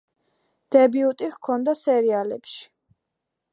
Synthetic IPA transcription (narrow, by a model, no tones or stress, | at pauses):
d̪̥ɛbiut̪ʼiʁkʰɔnd̪asɛɾialɛpʃi̥